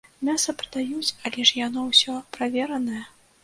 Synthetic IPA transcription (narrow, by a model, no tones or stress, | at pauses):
mʲasɐpɾɐd̪ajut͡sʲɐlʲɛʂjanɔwsʲɔpɾavʲɛɾɐnɐjɐ